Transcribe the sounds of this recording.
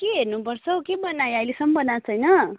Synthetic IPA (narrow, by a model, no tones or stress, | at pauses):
keɦernupʌrt͡sʰʌkebʌnajajlesʌmʌbʌnat͡sʰʌjnʌ